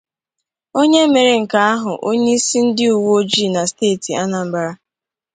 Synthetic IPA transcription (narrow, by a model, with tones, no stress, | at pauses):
o˦ɲe˦me˨ɾe˨ŋ̩˨ka˨a˦ɦʊ˨ʔo˦ɲe˦i˦si˦n̩˦dɪ˦u˨wo˦d͡ʒi˦˨na˨steː˦˨ti˨a˦na˨m̩˨ba˨ɾa˦